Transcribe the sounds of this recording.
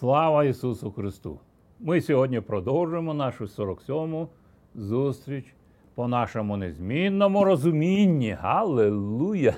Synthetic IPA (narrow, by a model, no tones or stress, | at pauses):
slˠɑʋɐisusʊxɾɪst̪ṵ | mɪsʲɔɦɔdʲnʲipɾɔd̪ɔwʒʊjemɔnɑʃʊsʲɔɾɔksʲɔmʊ | zust̪ɾʲit͡ʃ | pɔnɑʃɔmʊnezʲmʲinːɔmʊɾɔzʊmʲinʲːiɦɐlˠelˠujɐ